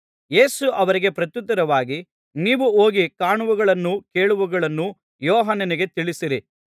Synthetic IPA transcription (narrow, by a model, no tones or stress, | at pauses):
je̞ːsuʔɐʋɐɾiɡe̞pɾɐt̪jut̪ːɐɾɐʋaːɡi | niːʋuoːɡikaːɳuʋuɡɐɭɐnːuke̞ːɭuʋuɡɐɭɐnːu | jɔːɦɐnːɐniɡe̞t̪iɭisiɾi